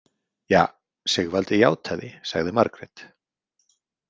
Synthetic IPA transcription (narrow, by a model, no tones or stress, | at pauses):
jaː | sɛɣvalt̪ɪjaːwt̪ʰaðɪsaɣðɪmaɾkɾɛt̪